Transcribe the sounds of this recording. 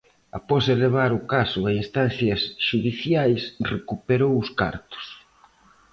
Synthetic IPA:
a̰pɔseleβ̞aɾʊkasʊainst̪an̟θjɐsʃuðiθjajsrekupeɾowʊska̰ɾt̪ʊ̥s

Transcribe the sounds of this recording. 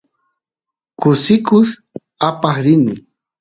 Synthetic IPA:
kʊsɪkʊs | apaχɾɪmɪ

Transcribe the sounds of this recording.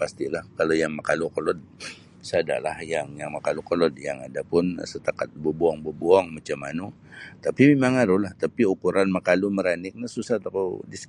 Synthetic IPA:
past̪ilahkalojaŋmakalukolɔd̚ | sada̰lahjaŋjaŋmakalukolɔd̪̚jaŋa̰dapʊnsət̪akat̪̚bubuɔŋbobuɔŋmat͡ʃamanu | t̪apimemaŋaɾuhlaht̪apiukuɾanmakaluməɾanɪk̚nəsusat̪akodis

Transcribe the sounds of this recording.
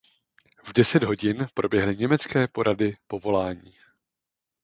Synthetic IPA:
vdɛsɛd̪ɦo̞ɟɪnpɾʔo̞bjɛɦlɪɲɛmɛt͡skɛːpo̞ɾʔadɪpo̞vo̞laːɲiː

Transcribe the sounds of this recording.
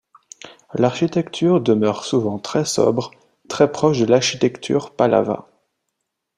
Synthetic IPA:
laʁʃit̪ɛkt̪ʰyʁd̪əmœʁsuvɑ̃t̪χɛsɔ̰bʁ | t̪χɛpχɔʃd̪əlaʁʃit̪ɛkt̪ʰy̰ːʁpala̰va̰

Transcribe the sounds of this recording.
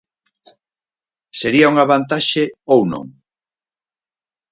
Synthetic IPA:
seɾiauŋaβant̪aʃeowno̰ŋ

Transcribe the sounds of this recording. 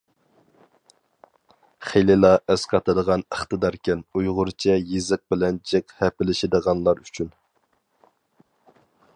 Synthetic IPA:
χelɪlˠɑʔɛsqʰɑt̪ɨd̪əʁɑnəχt̪ɨd̪ɑɾkʲɛnujʁʊɾt͡ʃʰɛjizɨq̚bɪlɛnt͡ʃʰɛkhɛpɪlɪʃɪd̪əʁɑnlˠɑɾyt͡ʃʰyn

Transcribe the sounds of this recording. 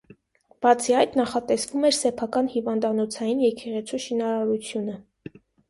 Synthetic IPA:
b̥ɑt͡sʰiɑjt̪nɑχɑt̪ɛsvumɛɾsɛpʰɑkɑnhivɑnd̪ɑnɔt͡sʰɑjinjɛkɛʁɛt͡sʰuʃinɑɾɑɾut͡sʰjunə

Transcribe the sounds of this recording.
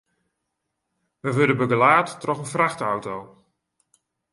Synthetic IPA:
ʋəʋødəbəɡəlaːtːrɔχənfraxtawtow

